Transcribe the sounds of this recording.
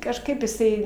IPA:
kɐʃˈkɐɪp jɪˈsɐɪ

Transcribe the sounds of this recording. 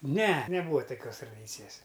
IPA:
ˈnʲɛ nʲɛˈbuːɐ toːˈkʲoːs trɐˈdʲiːt͡sʲɪjɛs

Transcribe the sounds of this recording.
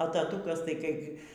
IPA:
ɐ tɐˈtuːkɐs tɐɪ ˈkɐɪbʲɡʲɪ

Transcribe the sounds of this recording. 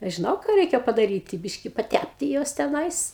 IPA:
ˈɐʃ ʒʲɪˈnɐʊ ˈkɑː ˈrʲɛɪkʲɛ pɐdɐˈrʲiːtʲɪ ˈbʲɪʃʲkʲɪ pɐˈtʲæpʲtʲɪ ˈjuɔs tʲɛˈnɐɪs

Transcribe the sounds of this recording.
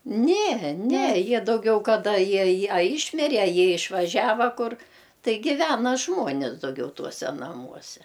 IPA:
nʲɛ nʲɛ ˈjiɛ dɐʊˈɡʲɛʊ kɐˈdɐ ˈjiɛ ˈjiɛ ɐ ˈiːʃʲmʲɪrʲɛ ɐ ˈjiɛ ɪʃʋɐˈʒʲæːʋɐ ˈkʊr ˈtɐɪ ˈɡʲɪʋʲɛnɐ ˈʒmuɔnʲɪs dɐʊˈɡʲɛʊ ˈtuɔsʲɛ nɐˈmuɔsʲɛ

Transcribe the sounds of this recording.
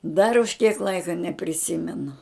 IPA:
dɐr ʊʃ kʲiɛk ˈlˠɐɪkɐ nʲɛpʲrʲɪˈsʲɪmʲɛnʊ

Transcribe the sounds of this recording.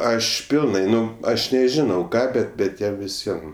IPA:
ˈɐʃ ˈpʲɪlˠnɐɪ ˈnʊ ˈɐʃ nʲɛˈʒʲɪnɐʊ ˈkɑː ˈbʲɛt bʲɛt ˈjɛm ʋʲɪˈsʲiɛm

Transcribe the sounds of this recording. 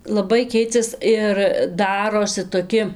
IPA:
lˠɐˈbɐɪ ˈkʲɛɪt͡sʲɛs ɪr ˈdɑːroːsʲɪ toːˈkʲɪ

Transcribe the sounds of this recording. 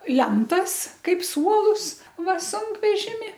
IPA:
ˈlʲɛntɐs ˈkɐɪp ˈsuɔlˠʊs ˈʋɐ ˈsʊŋkʋʲɛʒʲɪmʲɪ

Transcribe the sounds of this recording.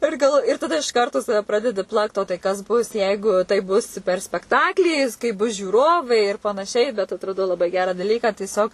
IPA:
ˈɪr ɡɐlˠʋ ɪr tɐˈdɐ ɪʃ kɐrˈtoː ˈsɑːʋʲɛ ˈprɑːdʲɛdʲɪ ˈplˠɐkt oː tɐɪ ˈkɐs ˈbʊs ˈjɛɪɡʊ tɐɪp ˈbʊs pʲɛr sʲpʲɛkˈtɑːklʲiː kɐɪ ˈbʊs ʒʲuːˈroːʋɐɪ ɪr pɐnɐˈʃʲɛɪ bʲɛt ɐtrɐˈdɐʊ lˠɐˈbɐɪ ˈɡʲæːrɑː dɐˈlʲiːkɑː tʲiɛˈsʲoːk

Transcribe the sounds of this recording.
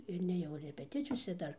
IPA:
ɪr nʲeːˈjɛʊ rʲɛpʲɛˈtʲɪt͡sʲɪjoːsʲɛ ˈdɐr

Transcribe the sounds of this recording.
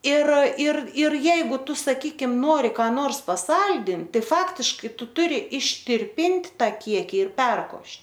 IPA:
ɪr ɪr ɪr ˈjɛɪɡʊ ˈtʊ sɐˈkʲiːkʲɪm ˈnoːrʲɪ kɑː ˈnoːrs pɐˈsɐlʲdʲɪnt ˈtɐɪ ˈfɑːktʲɪʃkɐɪ ˈtʊ ˈtʊrʲɪ ɪʃʲtʲɪrʲpʲɪnʲtʲ ˈtɑː ˈkʲiɛkʲɪ ɪr ˈpʲɛrkoːʃʲtʲ

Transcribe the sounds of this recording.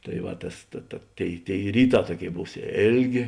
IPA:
tɐɪ ˈʋɐ ˈtɐs tɐ tɐ ˈtʲeːɪ ˈtʲeːɪ ˈrʲiːˌtɑː ˈtuɔˌkʲeːɪ ˈbuːs ˈeːlʲˌɡʲeː

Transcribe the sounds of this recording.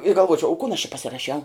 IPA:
ɪ ɡɐlˠˈʋuɔt͡ʃʲɛʊ ʊ kʊn ɐʃ t͡ʃʲɪ pɐsʲɪrɐˈʃʲɛʊ

